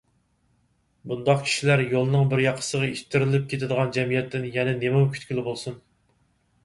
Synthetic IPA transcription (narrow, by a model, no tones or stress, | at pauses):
bund̪ɑqkʲʰi̥ʃilæɾjolˠnɨŋbɪɾjɑqʰːə̥səʁɑiʃt̪ʰːɪɾɪlɪp̚kʲʰet̪ʰɪd̪əʁɑnd͡ʒɛmijɛt̪ːɪnjɛnɛnemumkʲʰy̥t̪kʲilɪbolˠsun